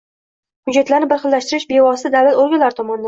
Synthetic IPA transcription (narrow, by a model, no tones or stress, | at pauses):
hʊd͡ʒːat̪laɾnɪbɪɾχɨlːaʃt̪ɪɾɪʃbe̞vɒsɪd̪alɪloɾɡʲalaɾɪt̪ʰɒmɒnɪd̪a